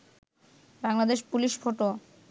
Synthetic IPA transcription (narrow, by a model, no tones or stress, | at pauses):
baŋlad̪eʃpuliʃfʰoʈo